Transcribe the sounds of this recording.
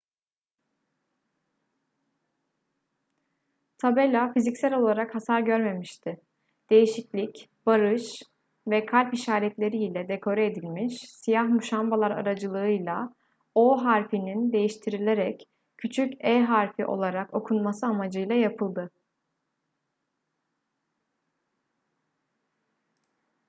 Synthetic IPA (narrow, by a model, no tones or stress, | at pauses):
t̪ʰabelʲafizicsælʲo̞lˠaɾakhasaɾɟø̞ɾme̞miʃt̪ʰɪ | d̪̥e̞jiʃiclʲicb̥aɾɯʃ | vɛkʰalʲpiʃaːɾɛt̪lʲe̞ɾiːlʲɛd̪e̞kʰo̞ɾaed̪ilʲmiʃsijahmuʃambalˠaɾa̰ɾad͡ʒɯlˠɯɯjlˠa | oɦaɾfinind̪e̞jiʃt̪ʰiɾilʲe̞ɾɛc | cʰːyt͡ʃʰycɛɦaɾfiʔo̞̰lˠaɾako̞kʰunmasɯamad͡ʒɯjlˠajapʰɯlˠd̪ɯ